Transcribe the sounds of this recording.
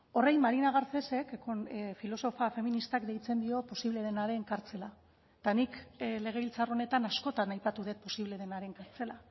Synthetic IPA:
o̞rajmaɾinaɣ̞aɾt͡se̞se̞kkofilo̞so̞fafe̞minist̪akd̪e̞jt͡se̞nd̪io̞po̞siβle̞ðe̞naɾe̞ŋkaɾt͡se̞la | t̪anikle̞ɣ̞e̞βilt͡saro̞ne̞t̪anasko̞t̪anajpat̪uðet̪̚po̞siβle̞ðe̞naɾe̞ŋkaɾt͡se̞la

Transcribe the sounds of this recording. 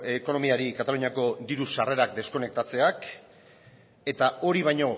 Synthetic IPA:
eko̞no̞miaɾikat̪aluɲiako̞d̪iɾusare̞ɾakd̪e̞sko̞ne̞k̚t̪at͡se̞ak | e̞t̪ao̞ɾiβajɲo̞

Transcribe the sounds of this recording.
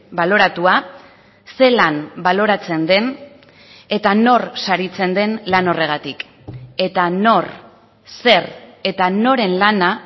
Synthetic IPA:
balo̞ɾat̪ua | se̞lanbalo̞ɾat͡se̞nd̪e̞n | e̞t̪ano̞rsaɾit͡se̞nd̪e̞nlano̞re̞ɣ̞at̪ik | e̞t̪ano̞r | se̞re̞t̪ano̞ɾe̞nlana

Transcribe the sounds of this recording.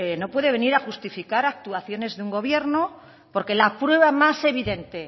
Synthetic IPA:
eno̞pwe̞ðeβe̞niɾaxust̪ifikaɾak̚t̪uaθjo̞ne̞zðeuŋɡo̞β̞je̞ɾno | po̞ɾke̞lapɾwe̞β̞amase̞β̞iðe̞nt̪e̞

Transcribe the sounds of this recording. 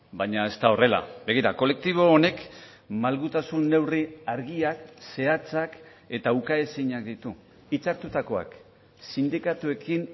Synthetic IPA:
baɲae̞st̪ao̞re̞la̰be̞ɣiɾako̞le̞k̚t̪iβ̞o̞ːne̞k | malɣut̪asunːe̞wriaɾɣiakse̞at͡sak | e̞t̪aukaesiɲakd̪it̪u | it͡saɾt̪ut̪ako̞a̰k | sind̪ikat̪ue̞kin

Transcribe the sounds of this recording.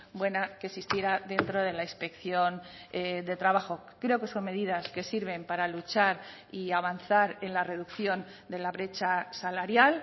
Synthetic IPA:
bwe̞nakesist̪je̞ɾaðe̞nt̪ɾo̞ð̞e̞laispe̞kθjo̞n | ed̪e̞t̪ɾaβ̞axo̞ | kɾe̞oke̞so̞nme̞ðiðaske̞siɾβe̞mpaɾalut͡ʃaɾ | iaβanθaɾe̞nlare̞ðukθjo̞n | d̪e̞laβɾe̞t͡ʃasalaɾjal

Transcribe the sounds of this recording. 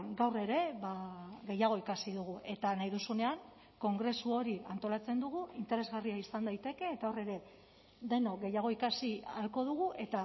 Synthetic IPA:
ɡawre̞ɾe̞βaɣe̞jaɣ̞o̞ikasiðuɣ̞uʔe̞t̪anajðusune̞aŋ | ko̞ŋɡɾe̞suo̞ɾiant̪o̞lat͡se̞nd̪uɣ̞uint̪e̞ɾe̞zɣariaisand̪ajt̪e̞ke̞ːt̪ao̞re̞ɾe̞ | d̪e̞no̞ɣejaɣ̞o̞ikasialko̞ð̞uɣ̞uʔe̞t̪a

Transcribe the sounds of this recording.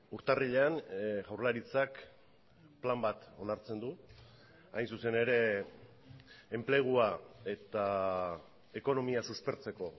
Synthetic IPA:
uɾt̪ariʎe̞anɣawrlaɾit͡sak | plambat̪o̞naɾt͡se̞nd̪u | ajnsuse̞ne̞ɾe̞ | emple̞ɣ̞uae̞t̪a | e̞ko̞no̞miasuspe̞ɾt͡se̞ko̞

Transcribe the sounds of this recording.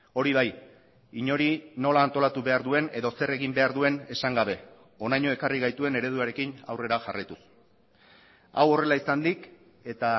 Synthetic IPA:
o̞ɾiβ̞aj | iɲo̞ɾino̞laːnt̪o̞lat̪uβe̞aɾðue̞ne̞ðo̞se̞re̞ɣimbe̞aɾðue̞ne̞saŋɡaβ̞e̞ | o̞najɲo̞e̞kariɣ̞ajt̪ue̞ne̞ɾe̞ð̞uaɾe̞kina̰wre̞ɾaʝarajt̪us | a̰wo̞re̞laisand̪ik | e̞t̪a

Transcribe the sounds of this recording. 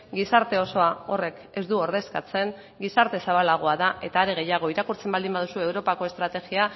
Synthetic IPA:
ɡisaɾt̪e̞o̞so̞ao̞re̞k | e̞zd̪uo̞ɾðe̞skat͡se̞ŋ | ɡisaɾt̪e̞saβalaɣ̞o̞aðaʔe̞t̪aːɾeɣ̞e̞jaɣ̞o̞iɾakuɾt͡se̞mbald̪imbað̞usue̞wɾo̞pako̞e̞st̪ɾat̪e̞ɣia

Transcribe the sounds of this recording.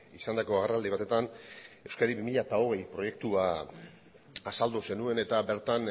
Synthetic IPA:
isand̪ako̞aɣarald̪iβ̞at̪e̞t̪ane̞wskaɾiβimiʎat̪ao̞ɣ̞ejpɾo̞je̞k̚t̪ua | sald̪use̞nue̞ne̞t̪abe̞ɾt̪an

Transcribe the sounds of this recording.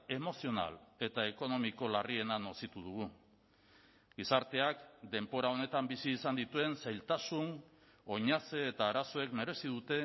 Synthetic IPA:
e̞mo̞sio̞na̰le̞t̪ae̞ko̞no̞miko̞larie̞nanosit̪uð̞uɣ̞u | ɡisaɾt̪e̞akd̪e̞mpo̞ɾao̞ne̞t̪ambisiːsand̪it̪ue̞nsajlt̪asun | o̞ɲat͡se̞ːt̪aːɾaso̞e̞kme̞ɾe̞siðut̪e̞

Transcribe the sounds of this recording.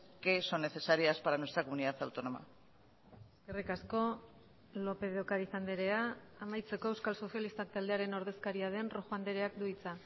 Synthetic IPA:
ke̞so̞nːe̞θe̞saɾiaspaɾanwe̞st̪ɾakomuniðaθawt̪o̞no̞ma̰ | ɡerekasko̞ | lo̞pe̞ðeokaɾiθand̪eɾe̞aːmajt͡se̞ko̞ewskalso̞sjalist̪ak̚t̪ald̪e̞aɾe̞no̞ɾð̞e̞skaɾiaðe̞nroxoand̪eɾe̞akd̪uit͡sa

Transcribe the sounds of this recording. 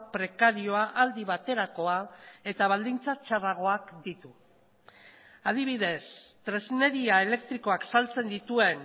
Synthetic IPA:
pɾe̞kaɾio̞aʔald̪iβat̪e̞ɾako̞ae̞t̪aβ̞ald̪int͡sat͡ʃaraɣ̞o̞akd̪it̪u | aðiβ̞iðe̞st̪ɾe̞zne̞ɾiae̞le̞kt̪ɾiko̞aksalt͡se̞nd̪it̪ue̞n

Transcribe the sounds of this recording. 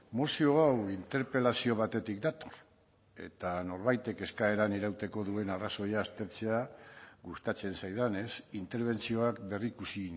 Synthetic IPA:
mosio̞awint̪e̞ɾpe̞lasio̞β̞at̪e̞t̪ik̚d̪at̪o̞̥r | e̞̰t̪ano̞ɾβajt̪e̞ke̞skae̞ɾaniɾawt̪e̞ko̞ðue̞naraso̞jaːst̪e̞ɾt͡se̞aɣust̪at͡se̞nsajðane̞sint̪e̞ɾβ̞e̞nt͡sio̞akbe̞rikusi

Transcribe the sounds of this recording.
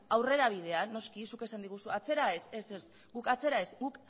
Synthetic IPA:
awre̞ɾaβ̞iðe̞ano̞skisuke̞sand̪iɣ̞usuat͡se̞ɾaese̞ses | ɡukat͡se̞ɾae̞sɡuk

